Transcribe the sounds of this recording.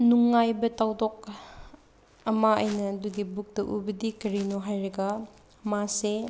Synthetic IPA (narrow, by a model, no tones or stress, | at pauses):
nuŋːajbɐtawdɔk̚ | ɐmaɐjnɐːduɡibuk̚dɐʔubɐdikɐɾinɔɦajɾɐɡɐ | mase